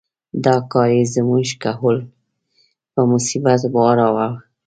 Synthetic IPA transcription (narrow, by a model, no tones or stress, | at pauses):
d̪ɑkɑjezəmuʒkaɦul | pəmʊsibat̪bɑɾawaw